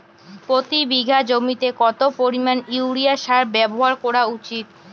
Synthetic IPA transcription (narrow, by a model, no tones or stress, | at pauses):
pɾot̪ibiɡʱad͡ʑomit̪ekɔt̪opoɾimanuwɾiaʃaɾbɛboɦaɾkɔɾaut͡ɕit̪̚